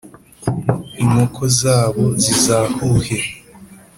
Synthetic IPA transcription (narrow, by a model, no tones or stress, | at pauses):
iŋokʰozaːβo̞zizaːhuhe